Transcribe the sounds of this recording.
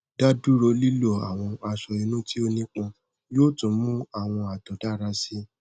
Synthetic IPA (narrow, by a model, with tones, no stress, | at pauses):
d̥a˦du˦ɾo˧li˦lo˦˨a̰˨w̃ɔ̃˧a˧ʃɔ˧i˧˦nũ˦ti˦o˧nĩ˦k͡pɔ̃˧ | joː˦˨tũ˨˦mũ˦a˦˨w̃ɔ̃˧a˨dɔ̃˨da˦˨ɾa˧si˦